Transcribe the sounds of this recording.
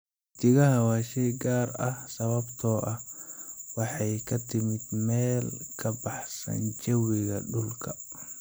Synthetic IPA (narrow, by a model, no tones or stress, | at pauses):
t̪ʰɪɣɐɦɐwaːʃɛjɡaːɾɐhsɐβɐbt̪ʰɔːʔɐh | wɑħɑjkʰɐt̪ʰɪmɪd̪mɛːlkʰɐbɑħsɐ̰nt͡ʃɐwɪɣɐɖʊlkʰɐ